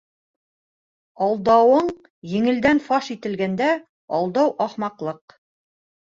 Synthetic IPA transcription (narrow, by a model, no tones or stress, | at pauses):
ɑlˠd̪ɑwɤɴ | jɘ̆ŋɘ̆ld̪ænfɑʃit̪ɘ̆lɡænd̪æ | ɑlˠd̪ɑwʔɑχmɑqlˠɤq